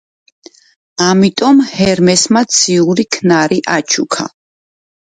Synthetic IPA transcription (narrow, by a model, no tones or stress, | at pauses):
amit̪ʼɔmhɛɾmɛsmat̪sʰiuɾikʰnaɾiʔat͡ʃʰukʰa̰